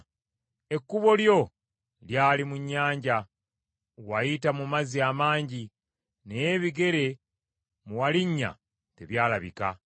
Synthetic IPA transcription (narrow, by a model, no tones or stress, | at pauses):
e̞kːuβo̞ljo̞ | ljaːlimuɲːaːɲɟa | wajitamumaziamaːɲɟi | nejeβiɡe̞ɾe̞ | muwaliɲːa̰ | te̞̰βjaːlaβḭka̰